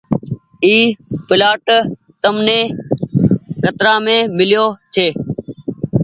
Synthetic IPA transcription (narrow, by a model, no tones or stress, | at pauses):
iːpɪlaːʈ | t̪əmnẽː | kət̪ɾaːmẽːmɪljoːt͡ʃʰeː